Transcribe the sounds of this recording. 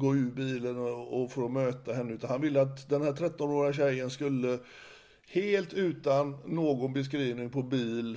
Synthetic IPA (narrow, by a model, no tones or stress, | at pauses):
ɡoːʉ̟ːɾbiːlənɔfoːɾɔmøːt̪aɦɛnːəʉt̪anhanvɪlːəat̪d̪ɛnhæːʈʰɾɛt̪ːɔnoːɾɪɡaɕ̬ɛjːənskɵlːə | heːlt̪ʉ̟ːt̪anːoːɡɔnbɛs̬kɾiːvnɪŋpʰɔbiːl